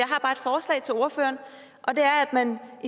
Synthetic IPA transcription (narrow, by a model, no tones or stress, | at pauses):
jɑ̈ɪɦɑ̈b̥ɑ̈ːed̥fɒːslɛ̰ɪt͡sʰe̝lo̝ɐfø̰ːɐn | ʔɒ̽d̥e̝æɐæd̥mænʔi